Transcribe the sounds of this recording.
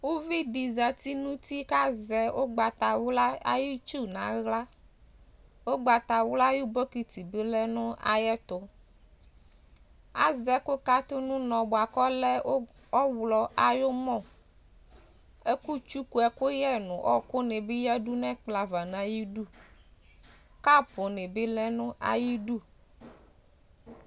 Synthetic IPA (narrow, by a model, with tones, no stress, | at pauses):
wo˦vi˦ɖi˨za˨t̪i˦nũ˦t̪i˦ka˦zɛ˨ʔo˦ɡ͡ba˨t̪a˨wla˦a̰˦ji˦t͡ʃu˦nã̰˨ɣla˦ | wo˦ɡ͡ba˨t̪a˨wla˦ji˦bɔ˦ki˨t̪i˨be˦lɛ˦nũ˦a̰˨jɛ˦t̪o˦ | a̰˨zɛ˦ko˦ka˦t̪o˦nũ˦nɔ̃˨bo˨a˨kɔ˦lɛ˦o˦ | ɔ˦wlɔ˨ʔa˨jo˦mɔ̃˦˨ | e˦ku˦t͡ʃu˦ku˦ɛ˨ko˦jɛ˦nũ˨ʔɔ̰˦ko˦ne˨bi˦jɛ˦ɖu˦nɛ̃˦k͡pla˨va˨nã˨ji˦ɖu˦ | ka˦po˨ne˨be˦lɛ˦nũ˦ʔa̰˦˨ji˦ɖu˦